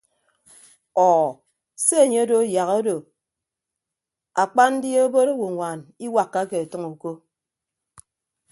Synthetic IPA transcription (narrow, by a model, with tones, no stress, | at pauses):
ɔː˨ | se˦e˨ɲe˦o˦do˨˦ja˨ɣo˦do˨ | a˨k͡pa˦n̩˦djo˦bo˦ɾo˦wo˨ŋʷa˨ni˦wa˨kːa˦ke˨e˨tɨ˦ŋu˨ko˦